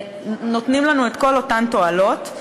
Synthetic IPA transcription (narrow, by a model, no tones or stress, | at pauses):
not̪nimlanuet̪ko̞lo̞tant̪o̞alo̞t